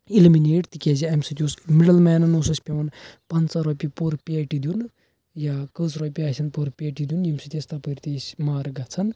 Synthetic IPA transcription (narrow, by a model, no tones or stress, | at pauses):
ilimineːʈt̪ikʲeːziɐmʲsɐt̪ʲjuːsmiɽɐlmɛːnɐnoːsɐsʲpʲeʋɐnpɐnt͡sɐɾoːpʲipoɾpʲeːʈid̪ʲun | jakəsʰɾoːpʲiaːsʰʲɐnpoɾpʲeːʈid̪junjimʲsɨt̪ʲest̪ɐpəɾʲt̪esʲmaːɾɡɐt͡sʰɐn